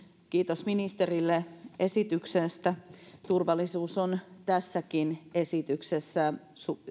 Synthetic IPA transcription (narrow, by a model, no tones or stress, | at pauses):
kiːt̪osminist̪erilːeesit̪yksest̪æt̪urʋɑlːˑisuːsont̪æsːækinesit̪yksesːæ | su